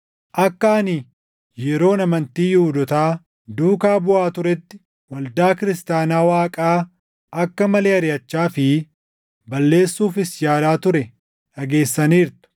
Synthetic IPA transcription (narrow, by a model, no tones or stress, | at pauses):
ʔɐkːɐɐni | jɛɾo̞ːnɐmɐnt̪iːjuːd̪ɔt̪aː | d̪uːkaːbʊaːt̪ʊɾɛt̪ːɪ̥ | wɐld̪aːkɪɾɪst̪aːnaːwaːkʼaː | ʔɐkːɐmɐleːɐɾɪjɐt͡ʃːaːfɪ | bɐlːe̞ːsːuːfɪsjaːlaːt̪ʊɾɛ | ᶑɐɡe̞ːsːɐniːɾt̪ʊ̥